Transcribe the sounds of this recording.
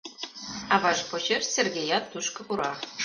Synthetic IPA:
ɑβɑʃpot͡ɕersʲerɡʲejɑt̪ːuʃkɤ̆puɾɑ

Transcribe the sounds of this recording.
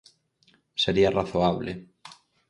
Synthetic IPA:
seɾiaraθoaβlḛ

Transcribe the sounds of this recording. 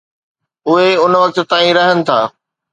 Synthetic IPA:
ʊɦeʊnʋɐk̚t̪̆t̪aːĩɾɐɦənɪ̆t̪ʰaː

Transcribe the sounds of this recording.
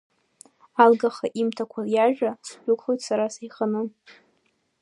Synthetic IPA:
alɡaχaʔimtʰakʷʰaljaʒᶣasħʷᶣʊkʷʰʼχojtsaɾasajχanɨ

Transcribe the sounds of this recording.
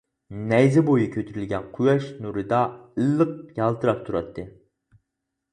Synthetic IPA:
nɛjzɪbojikʲʰøt̪ʰyɾylɡʲɛnqʰujɑʃnuɾɨd̪ɑɨlːɨq̚jɑlˠt̪ʰɨɾɑp̚t̪ʰuɾɑ̰t̪ʰːɨ

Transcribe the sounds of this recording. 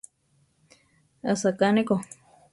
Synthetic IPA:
asakaneko

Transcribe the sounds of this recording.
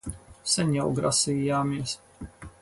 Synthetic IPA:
sɛɲʲawɡɾasiːjaːmiɛs

